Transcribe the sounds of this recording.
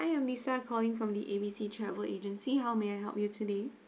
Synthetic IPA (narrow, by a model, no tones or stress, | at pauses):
aɪɛ̃mlisakʰɔlɪ̃ŋfɹɔ̃md̪iʔebisitʰɹɛvəʔed͡ʒə̃nsiɦaʊmeajɦɛ̰lˠp̚jutʰude